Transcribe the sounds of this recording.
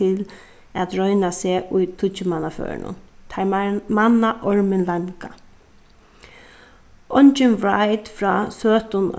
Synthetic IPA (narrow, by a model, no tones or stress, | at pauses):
ɪl | æt̪ɹœʏnaseːʊjt̪ʰʊt͡ʃɪmanafø̰ːɹɪ̰nʊ̰nt̪ʰajmanaʔɔɹmɪnlaŋka | ʔɔnt͡ʃɪnvɹajt̪fɾɑːsøːt̪ʊn̰